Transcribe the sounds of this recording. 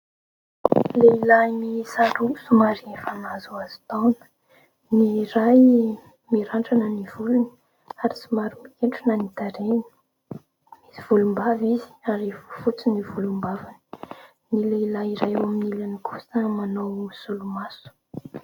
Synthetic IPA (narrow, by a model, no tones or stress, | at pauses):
leilaimisaɾusumaɾifanazuazi̥t̪awnə̥ | niɾaj | miɾaɳʈ͡ʂanəniv̥uluni̥ | aɾisumaɾumikeɳʈ͡ʂunanit̪aɾen | iziv̥ulumbavizi̥aɾivufut͡sinivulumbavani̥ | nileilaiɾajawaminilanikʰu̥səmanowsulumasu̥